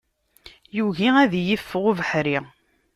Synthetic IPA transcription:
juʝiæðjəfːəʁʊvəħɾi

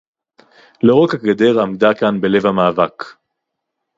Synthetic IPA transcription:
loʁokhakɡed̪eʁamd̪akanbe̞le̞vhamaːvak

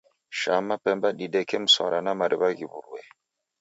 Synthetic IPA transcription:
ʃamapɛmbaɗiɗɛkɛm̩swa̰ɾanamaɾʔibaɣibṵɾuwɛ

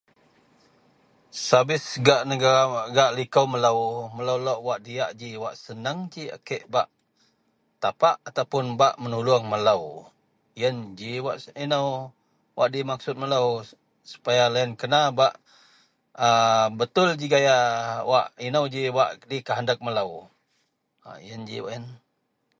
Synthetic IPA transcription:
sabɪsɡaʔnəɡaɾaɡaʔlikəwmələwmələwlɔʔwaʔdiaʔd͡ʒiwaʔsənəŋd͡ʒia̰keʔbaʔ | t̪apaʔat̪awpʊnbaʔmənuluaŋmələw | ijənd͡ʒiwaʔinəw | wʔa̰ʔdimaksʊt̪̚mələw | su̥pajalaənkənabaʔ | əbət̪ʊld͡ʒiɡajaʔwaʔinəwd͡ʒiwaʔdikəɦandak̚mələw | a̰ḭənd͡ʒḭwa̰ʔən

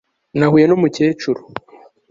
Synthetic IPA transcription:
nahuːje̞nomuce̞ːt͡ʃuɾo

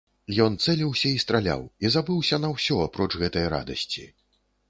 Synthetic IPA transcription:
jɔnt̪sɛlʲiwsʲɐist̪ɾalʲa̰wizabɨwsʲɐnɐwsʲɔapɾɔt͡ʂɣɛt̪ɐjɐɾa̰d̪ɐsʲt͡sʲi

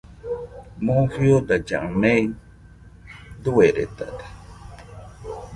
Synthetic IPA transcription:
mõfjod̪ad͡ʒã̰mẽi | d̪uweɾḛt̪a̰d̪e̥

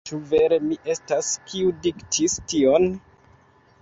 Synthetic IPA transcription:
t͡ʃuve̞ɾe̞miʔe̞staskiudiktʰistio̞n

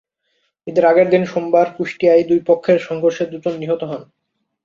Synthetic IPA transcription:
ed̪eɾaɡeɾd̪inʃombaɾkuʃʈiajd̪ujpokʰːeɾʃɔŋɡʱoɾʃed̪ud͡ʑonːiɦot̪oɦɔn

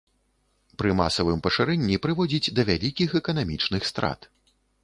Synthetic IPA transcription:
pɾɨma̰sɐvɨmpɐʂɨɾɛnʲːipɾɨvɔd͡zʲid͡zʲd̪ɐvʲalʲikʲixɛkɐnamʲit͡ʂnɨxst̪ɾa̰t̪

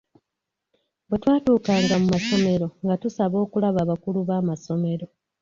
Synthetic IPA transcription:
bwetwaːtuːkaːŋɡamumaso̞me̞ɾo̞ŋɡatusaβo̞ːkulaβaːβakuluβaːmaso̞me̞ɾo̞

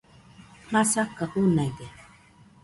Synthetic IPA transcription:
hasakːahunajd̪e

